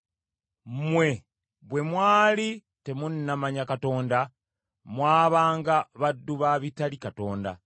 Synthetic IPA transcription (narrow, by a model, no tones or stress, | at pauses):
mwe̞ | βwe̞mwaːli | te̞munːamaɲakato̞ːnda | mwaːβaːŋɡaβadːuβaβitalikato̞ːnda̰